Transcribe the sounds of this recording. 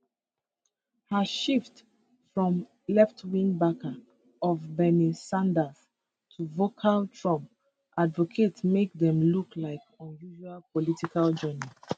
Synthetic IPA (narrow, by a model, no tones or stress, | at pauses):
həʃift | fɹɔ̃m | lɛftwĩnbaka | ɔvbɛnisãndaz | tʰuvokʰaltɹɔ̃m | ʔadvɔkʰetmek̚dɛ̃mluklaɪkɔ̃njuʒualpɔlitikald͡ʒɜni